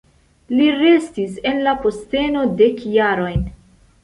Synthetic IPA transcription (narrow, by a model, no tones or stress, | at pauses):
liɾe̞stise̞nlapo̞ste̞no̞de̞kjaɾo̞jn